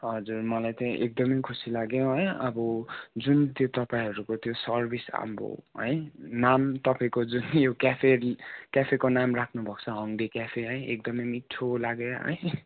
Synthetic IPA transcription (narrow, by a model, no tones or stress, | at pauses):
ɦʌd͡zurmʌlajt̪ʌĩʔek̚d̪ʌmʌjkʰusilaɡjõɦʌjʌbʌd͡zunt̪jot̪ʌpaĩɦʌɾukot̪josʌrbʱisa̰mbo̰ɦʌ̰jnamt̪ʌpaĩkod͡zunjokapʰekapʰekonamrakʰnubʱʌk̚t͡sʰʌɦʌŋd̪ikapʰeɦʌj̃ek̚d̪ʌmʌjmiʈʰːolaɡeɦʌ̰j̃